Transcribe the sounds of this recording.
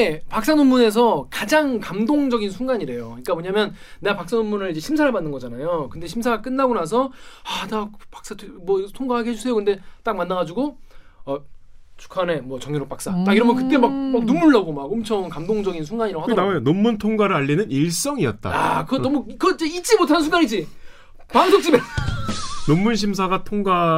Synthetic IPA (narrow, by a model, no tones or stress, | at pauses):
epak̚s͈anomːune̞s̬ʰʌkad͡ʑaŋkamdoŋd͡ʑʌɡinsʰuŋɡaɲiɾe̞joɯɲik͈amoɲamjʌnne̞ɡapak̚s͈anomːunɯɭid͡ʑe̞ɕʰimsʰaɾaɭbanːɯnɡʌd͡ʑanajokɯnde̞ɕʰimsʰaɡak͈ɯnːaɡonas̬ʰʌatakpḁks͈atʰmwʌtʰoŋɡaɦaɡeɦed͡ʑusʰe̞jokɯnde̞t͈ak̚manːaɣad͡ʑuɡo | ʌt͡ɕu̥kʰane̞mwʌt͡ɕʌŋjoɾok̚pak̚s͈at͈aiɾʌmʌnkɯt͈e̞mak̚mak̚numːuɭːaɡomakomt͡ɕʰʌŋkamdoŋd͡ʑʌɡins̬ʰuŋɡaɲiɾahaajonomːuntʰoŋɡaɾɯɭaʎːinɯniɭs͈ʌŋiʌt̚t͈a̰a̰kɯʌdʌmukɯʌid͡ʑeit̚t͡ɕ͈imotʰanɯns̬ʰuŋɡaɲid͡ʑi | paŋsʰok̚t͡ɕ͈ibe | nomːunɕ̬ʰimsʰaɡatʰoŋɡa